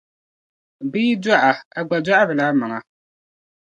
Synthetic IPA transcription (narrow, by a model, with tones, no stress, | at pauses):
biː˦da˦ʔa˨a˨ɡ͡ba˨da˦ʔa˦bɨ˨la˦ma˨ŋa˨